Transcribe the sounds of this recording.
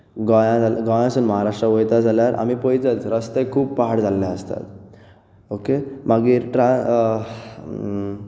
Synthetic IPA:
ɡɔ̃jãd͡zalɡɔ̃jãsunməɦaɾaʂʈɾaʋojt̪ad͡zaljaɾʔa̰mipɔjt͡sət͡sɾəst̪ekʰuːbpaɦaɽd͡zalːjaəst̪a̰t̪ | okemaɡiːɾʈɾa

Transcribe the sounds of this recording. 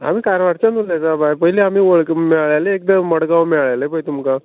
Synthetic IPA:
a̰m̤iːkaɾʋaʈt͡ɕanulat͡sabajpəɦileamiːʋəɭkmɛɭɭajleːk̚d̪əməɽɡaʋmɛɭɭajlepəjt̪umka

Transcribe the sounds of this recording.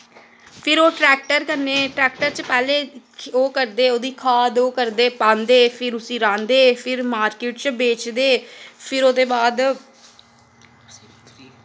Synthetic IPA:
pʰɪɾoːʈɾɛːk̚ʈəɾkəɾneːʈɾɛːkʈəɾt͡ʃpɛːleːoːkəɾd̪eːoːd̪iːkʰaːd̪oːkəɾd̪eːpãːnd̪eːpʰɪɾʊsĩːɾãːnd̪eːpʰɪɾmaːɾkɪːʈt͡ʃbeːt͡ʃd̪eːpʰɪɾoːd̪eːbaːd̪

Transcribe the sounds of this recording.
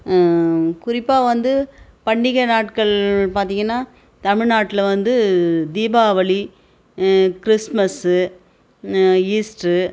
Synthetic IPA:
kʊɾɪpːaːʋɐnd̪ɯpɐɳːɪɣɐnaːʈkɐɭpaːɾt̪iːŋɡɐnːaː | t̪ɐmɪɻnaːʈːɪlɐʋɐnd̪ɯd̪iːbaːʋɐɭi | kɪɾɪsmɐsɯ | iːsʈɯ

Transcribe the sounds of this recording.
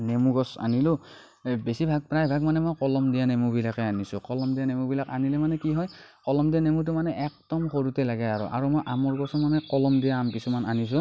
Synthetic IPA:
nemuɡɔsa̰nilʊ | besibʱaɡ̚pɹajbʱaɡmanɛmojkɔlɔmdijanemubilakɛanisʊkɔlɔmdianemubilakanilɛmanɛkiɦɔjkɔlɔmdijanemut̬ʊmanɛʔɛk̚d̥ɔmxoɹutɛlaɡɛaɹɔ̰ʔa̰ɹumojʔamɔɹɡɔsɔmanɛkɔlɔmdijaampisɔmananis̬ʊ̃

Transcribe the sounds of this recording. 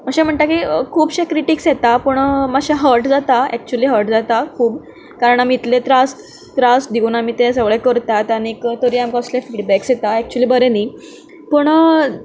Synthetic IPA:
məɕɛ̃m̤əɳt̪akikʰuːbɕekɾiʈiːksjet̪apəɳməɕaɦəɾʈd͡zat̪aɛk̚t͡ɕuəliːɦəɾʈd͡zat̪akʰuːb | kaɾəɳamiːt̪let̪ɾast̪ː | ɾasd̪iuːnamiːt̪esəɡɭekəɾt̪at̪añiːkt̪əɾiːamkaəslefiɖbɛksjet̪aɛk̚t͡ɕuəliːbəɾeniː | pəɳ

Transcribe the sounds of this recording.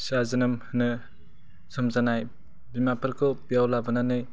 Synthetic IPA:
sazɯnɯmhɯnɯ | sɯmzanaj | bimapʰɯɾkʰɯbijawlabɯnanɯj

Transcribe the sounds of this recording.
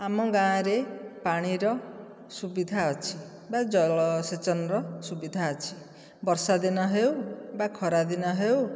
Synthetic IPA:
amɔɡãɾepaɽ̃iɾɔ | subid̪ʱaɔt͡ʃʰi | bad͡ʒɔlɔset͡ʃɔnɾɔsubid̪ʱaɔt͡ʃʰi̥ | bɔɾsad̪inɔɦewbakʰɔɾad̪inɔɦew

